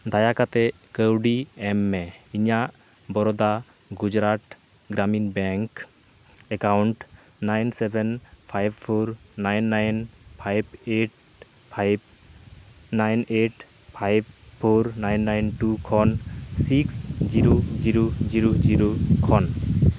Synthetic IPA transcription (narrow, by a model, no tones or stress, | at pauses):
d̪ajakat̪ɛ | kəwɖiɛmːɛiɲaʔ | bɔɾɔd̪a | ɡud͡ʒɾaʈ̪ | ɡɾaminbɛŋk | ɛkawɳʈ | najnsɛbɛnpʰajbpʰoɾnajnːajnpʰajbeʈ̚ | pʰajb̚ | najneʈ | pʰajb̚pʰoɾnajnːajnʈukʰɔnsiksd͡ʒiɾod͡ʒiɾod͡ʒiɾod͡ʒiɾokʰɔn